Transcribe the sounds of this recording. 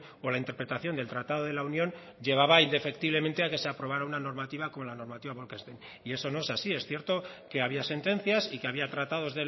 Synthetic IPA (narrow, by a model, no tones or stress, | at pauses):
o̞laint̪eɾpɾe̞t̪aθjo̞nd̪e̞lt̪ɾat̪að̞oð̞e̞launjo̞n | ʝe̞β̞aβaind̪e̞fe̞kt̪iβle̞mẽ̞nt̪e̞ake̞se̞apɾo̞β̞aɾaunano̞ɾmat̪iβako̞mo̞lano̞ɾmat̪iβaβolkest̪en | ie̞so̞no̞e̞sasie̞sθje̞ɾt̪o̞ke̞aβiase̞nt̪e̞n̟θjasikeaβiat̪ɾat̪að̞o̞zðe̞